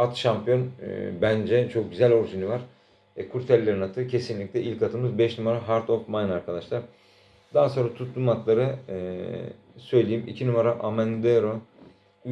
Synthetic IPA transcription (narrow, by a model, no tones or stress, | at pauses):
at̪ʃampʰjo̞n̰bænd͡ʒɛt͡ʃʰo̞k̚ɟyzælʲo̞ɾsynyvaɾ̥ | ɛkʰuɾt̪ʰɛlʲːe̞ɾinat̪ʰɯcʰe̞sinlʲic̚lʲɛʔilʲkat̪ʰɯmɯzbɛʃnumaɾaɦaɾt̪ʰo̞fmajnaɾkʰad̪aʃlˠaɾ̥ | d̪̥aːaso̞nɾat̪ʰut̪lˠumat̪lˠaɾɯ | sø̞jlʲejimicʰinumaɾaʔamɛnd̪eɾo